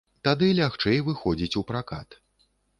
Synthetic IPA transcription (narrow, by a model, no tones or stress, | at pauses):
t̪ad̪ɨlʲaxt͡ʂɛjvɨxɔd͡zʲit͡sʲupɾaka̰t̪